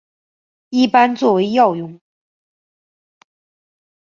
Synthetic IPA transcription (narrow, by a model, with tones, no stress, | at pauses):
i˥˩pa˥nt͡swɔ˥˩we˧˥ɪjɑ˥˩ʊjʊ˧˥˩ŋ